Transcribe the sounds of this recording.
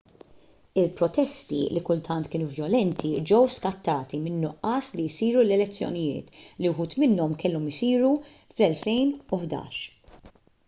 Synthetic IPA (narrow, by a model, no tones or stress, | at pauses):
ɪlpɾɔt̪ɛst̪ḭlikʊlt̪ʰɐnt̪kɪːnuvjɔlɛnt̪ʰid͡ʒɛwskɐt̪ːɐːt̪imɪnːʊʔːɐːslijsiːɾulɛlɛt͡sːjɔ̰nɪjɪ̰ːt̪liwħuːt̪mɪnːɔmkɛlːɔmɪsiːɾu | flɛlfɛjnʊħd̪ɐ̰ːʃ